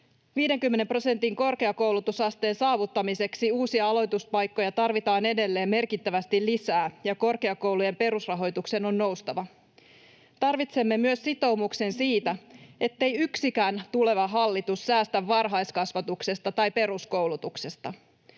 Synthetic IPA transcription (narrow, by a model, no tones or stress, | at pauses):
ʋiːde̞ŋkymːene̞mpro̞se̞nt̪iŋko̞rke̞ɑko̞wlut̪usɑst̪e̞ːnsɑːʋut̪ːɑmise̞ksiuːsiɑɑlo̞jt̪uspɑjkːo̞jɑt̪ɑrʋit̪ɑːne̞de̞lːe̞ːmme̞rkit̪ːæʋæst̪ilisæːjɑko̞rke̞ɑko̞wluje̞mpe̞ɾusrɑɦo̞jt̪ukse̞no̞nːo̞wst̪ɑʋɑ | t̪ɑrʋit̪se̞mːe̞myøssit̪o̞wmukse̞nsiːt̪æe̞t̪ːe̞jyksikæːnt̪ule̞ʋɑɦɑlːit̪ussæːst̪æʋːɑrɦɑjskɑsʋɑt̪ukse̞st̪ɑt̪ɑjpe̞ɾusko̞wlut̪ukse̞st̪ɑ